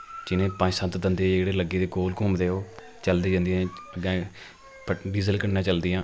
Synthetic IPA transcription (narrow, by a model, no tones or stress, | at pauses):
d͡ʒɪnẽːpə̃ɲd͡ʒsət̪d̪ənd̪eːd͡ʒeːɽeːləɡeːd̪eːkoːlkʊːmd̪eːɦoː | t͡ʃəld̪eːd͡ʒãːnd̪ijẽːəɡɛ̃ː | pəɖiːzəlkəɽnãːt͡ʃəld̪ɪjãː